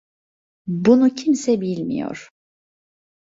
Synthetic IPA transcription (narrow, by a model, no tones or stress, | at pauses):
bunucʰimsɛbilʲmḭjo̰ɾ̥